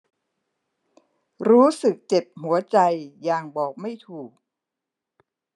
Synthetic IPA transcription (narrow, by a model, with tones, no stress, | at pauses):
ɾuː˦˥sɯ˨˩k̚t͡ɕe˨˩p̚hu˩˦ɐt͡ɕa˧jːaː˨˩ŋbɔː˨˩k̚ma˥˩jt̪ʰuː˨˩k̚